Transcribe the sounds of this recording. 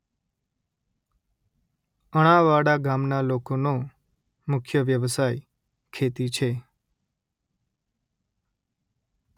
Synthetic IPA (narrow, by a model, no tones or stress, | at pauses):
əɽ̃aʋaɽaɡamnalokono | mʊkʰjəʋjəʋsaj | kʰet̪it͡ʃʰe